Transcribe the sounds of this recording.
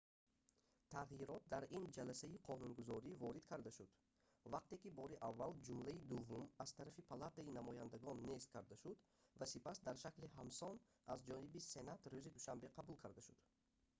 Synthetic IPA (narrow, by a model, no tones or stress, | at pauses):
t̪ʰaʁjiɾɔt̪̚d̪aɾind͡ʒalasaiqʰɔnunɡuzɔɾivɔɾid̪kʰaɾd̪aʃud̪̥ | vaq̚t̪e̞kibɔɾiʔavːald͡ʒumlaid̪uvːumaz̥t̪ʰaɾafipʰalat̪ainamɔjand̪aɡɔnːe̞st̪̚kʰaɾd̪aʃud̪ | vasipasd̪aɾʃaklihamsɔn | azd͡ʒɔnibise̞nat̪ɾuzid̪uʃambe̞qʰabulkʰaɾd̪aʃud̪̥